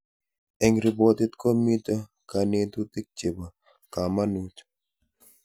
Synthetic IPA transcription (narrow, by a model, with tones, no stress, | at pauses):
e˨ŋɾi˨bo˦t̪ɪ˦t̪ko˦mi˦t̪a˦ | ka˨ne˦t̪u˦t̪i˦k̚t͡ʃe˨ba˨ | ka˨ma˦nu˦t͡ʃ